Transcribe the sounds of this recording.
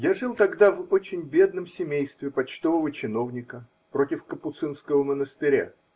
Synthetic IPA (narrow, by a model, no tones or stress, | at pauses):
jaʐɨlˠt̪ɐɡd̪avo̞t͡ɕɪnʲbʲe̞d̪nəmsʲɪmʲejst̪vʲɪpɐt͡ɕt̪o̞vəvət͡ɕɪno̞vnʲɪkə | pɾo̞tʲɪfkəpʊt̪sɨnskəvəmənəst̪ɪɾʲa̰